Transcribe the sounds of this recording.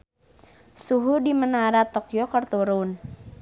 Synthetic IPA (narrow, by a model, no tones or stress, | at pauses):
suɦudimənaɾat̪ɔkjɔkərt̪uɾʊn